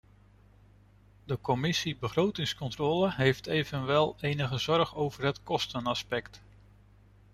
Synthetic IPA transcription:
dəkɔmɪsibəχrowtɪŋskɔntrɔːləɦejftejvənʋɛlˠejnəχəzɔɹχowvərɦətkɔstənaspɛkt

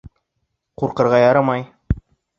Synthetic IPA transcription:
quɾqɤ̆ɾʁɑjɑɾɤmɑj

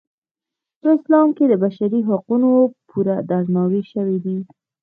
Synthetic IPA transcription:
pəɪslɑmked̪əbaʃaɾiɦaqunopʰuɾad̪aɾnɑwiʃəwid̪i

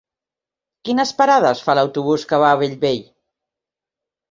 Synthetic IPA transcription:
kinəspəɾað̞əsfaləwt̪uβuskəβ̞aːβeʎβeʎ

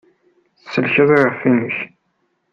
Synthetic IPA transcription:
θəsːəlçəðˤiʁəfːinəç

